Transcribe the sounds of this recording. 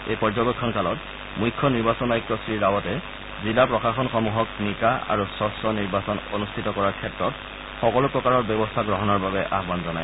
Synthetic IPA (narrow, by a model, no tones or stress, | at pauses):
ejpɔzɔɡɔkʰːɔnkalɔt | mujkʰːɔniɹbasɔnajk̚tɔsɹiɹawɔtɛ | zilapɹɔxaxɔnxɔmuɦɔk̚nikaa̰ɹusɔsɔniɹbasɔno̰nustʰitɔkɔɹaɹkʰɛtɹɔt | xɔkɔlupɹɔkaɹɔɹbjɔbɔstʰaɡɹɔɦɔnɔɹbabɛʔa̰ɦbanzɔna̰j